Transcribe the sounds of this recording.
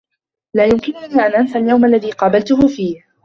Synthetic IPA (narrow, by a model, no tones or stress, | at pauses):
laːjʊmkɪnʊniːʔanʔanfaljawmalːaðiːqɑːbalt̪ʊɦʊfiːh